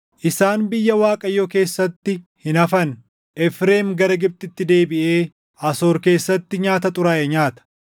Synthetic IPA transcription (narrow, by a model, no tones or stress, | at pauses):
ʔɪsaːnbɪjːɐwaːkʼɐjːoːke̞ːsːɐt̪ːɪhɪnɐfɐn | ʔɛfɾe̞ːmɡɐɾɐɡɪb̚t̪ʼɪt̪ːɪd̪e̞ːbɪʔe̞ː | ʔɐso̞ːɾke̞ːsːɐt̪ːɪɲaːt̪ɐt̪ʼʊɾaːʔɛɲaːt̪ɐ̥